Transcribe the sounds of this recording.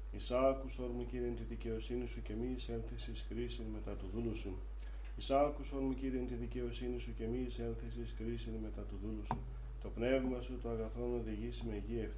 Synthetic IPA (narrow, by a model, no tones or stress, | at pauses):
isɐkuso̞ɾmuciɾient̪iðice̞o̞sinisuce̞mise̞nθesiskɾisinme̞t̪ɐt̪uðulusu | isɐkuso̞ɾmuciɾient̪iðice̞o̞sinisuce̞mise̞nθesiskɾisinme̞t̪ɐt̪uðulusu | t̪o̞pne̞vmɐsut̪oɐɣɐθo̞no̞ðiʝisime̞ʝieft̪